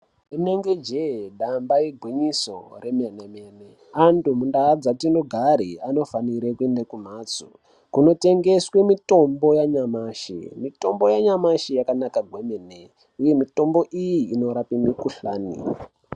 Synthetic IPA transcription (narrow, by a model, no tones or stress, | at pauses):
uneŋɡed͡ʒeɗambajeɡʱwiɲiso̞̰re̞manemiene | antumundaːd͡zatino̞ɡʱaɾiano̞faniɾekue̞ndakum̤aːt͡su | kuno̞te̞ŋɡe̞swemito̞mbo̞jaɲamaʃḭmito̞mbo̞jaɲamaʃijakanakaɡʱwemene | uje̞mito̞mbo̞ʔijiːno̞ɾapinikuɬaːnḭ